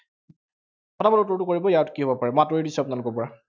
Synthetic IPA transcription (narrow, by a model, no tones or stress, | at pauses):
kɔtabalutɔɹtʊkoɹibɔjatkiɦobɔpaɹɛmatɔedisɔapʊnalukɔɹpɔɹa